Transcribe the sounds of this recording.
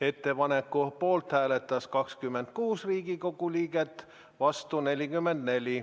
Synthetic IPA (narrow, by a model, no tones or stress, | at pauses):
e̞t̪ːe̞pɑne̞kːupo̞ːlt̪hæːle̞t̪ːˑɑskɑkskymːent̪̚kuːsriːɡ̥iko̞ɡ̥uliːɡ̥e̞t̪ːˑ | vɑst̪une̞lʲikymːe̞nd̪̥ne̞lʲi